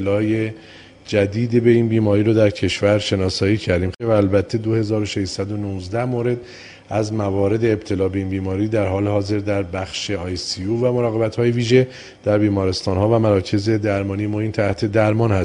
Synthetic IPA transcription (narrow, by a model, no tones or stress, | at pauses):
elɒːje | d͡ʒæd̪iːd̪ebe̞iːnbiːmɒːɾiːɾod̪æɾcʰe̞ʃvæɾʃe̞nɒːsɒːjiːcʰæɾd̪iːmvæːlbæt̪ʰːe̞d̪ohe̞zɒːɾoʃe̞ʃsæd̪o̞nuːzd̪æhmoːɾe̞d̪ | æzmævɒːɾe̞d̪e̞ːb̚t̪ʰe̞lɒːbe̞iːnbiːmɒːɾiːd̪æɾɦɒːle̞hɒːze̞ɾd̪æɾbæxʃe̞ɒːjsiuvæmo̞ɾɒːɣe̞bæt̪hɒːje̞viːʒe̞ | d̪̥æɾbiːmɒːɾe̞st̪ɒːnɦɒːvæmæɾɒːcʰe̞ze̞d̪æɾmɒːnijemoiːnt̪ʰæht̪ʰe̞d̪æɾmɒːnhæs